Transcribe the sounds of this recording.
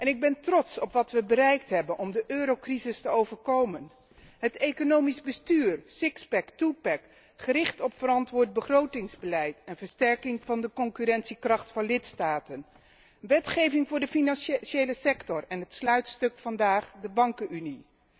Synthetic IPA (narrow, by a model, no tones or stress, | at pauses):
ʔɛnɪɡ̚bɛntrɔtsɔpʋɑtʋəbərɛjk̚tɦɛbənʔɔmdəʔøːɾowkrizɪstəowvəɹkowmən | ɦətejkonowmizbəstyːɹsɪkspɛktupɛk | χərɪχtɔpfəɾɑntʋʊːɹt̚bəχrowtɪŋzbəlɛjtɛnvəɹstɛɹkɪŋvɑndəkɔŋkyɾɛnsikrɑχtfɑnlɪtstaːtən | ʋɛtχejvɪŋvʊːɹdəfinɑnʃʃejləsɛktɔrɛnɦətslœɥtstɵkfɑndaːχdəbɑŋkəyni